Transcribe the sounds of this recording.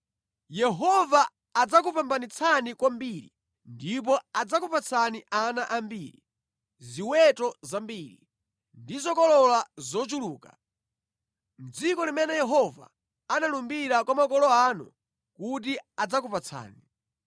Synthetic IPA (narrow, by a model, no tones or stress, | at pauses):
jɛɦɔvaː | d͡zak̬upambanit͡sʰanikwambiɾḭ | ndip̬ɔad͡zakupat͡sʰaniʔanaʔambiːɾi | ziwɛtɔzambiːɾḭ | ndizɔkɔlɔlazɔt͡ʃuluːka | m̩d͡zikɔlimɛnɛjɛɦɔva̰ː | nalumbiɾakwamakɔlɔanṵ | kut̬iad͡zakupat͡sʰa̰ːni